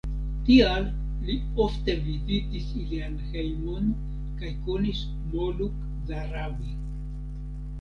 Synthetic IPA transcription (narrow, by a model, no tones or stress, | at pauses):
tialː | i | ofte̞vizitisilianhejmon | kajkonis | moluk | zaɾabi